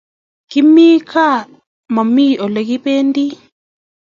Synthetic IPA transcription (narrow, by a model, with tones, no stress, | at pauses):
ki˦mi˦kʰa˦ | ma˨mi˦˨ɔ˨le˨ki˦pe˦ndi˦